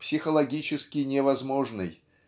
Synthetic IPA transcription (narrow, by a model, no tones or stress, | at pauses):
psʲɪxəlˠɐɡʲit͡ɕɪskʲɪnʲɪvɐzmo̞ʐnɨj